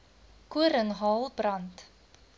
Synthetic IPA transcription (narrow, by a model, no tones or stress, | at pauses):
kuəɾəŋɦɑːlˠbrɐnt